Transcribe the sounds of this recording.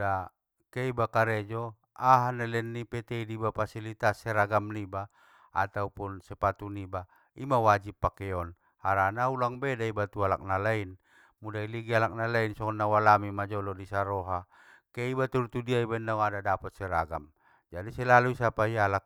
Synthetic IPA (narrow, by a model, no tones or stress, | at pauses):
da | keibakaɾɛd͡ʒɔ | aɦanɛlɛnːipɛt̪ɛidibapasilit̪asːɛɾaɡamniba | a̰t̪aupunsɛpat̪uniba | imawad͡ʒipːakɛɔn | haɾanaulaŋbɛdaibat̪uala̰k̚nalain | mudailiɡialak̚nalainsɔkɔnːawalamimad͡ʒɔlɔdisaɾɔɦa | keibat̪uɾut̪udiaibainauadadapɔt̪̚sɛɾa̰ɡa̰m | d͡ʒadisɛlaluisapaialak̚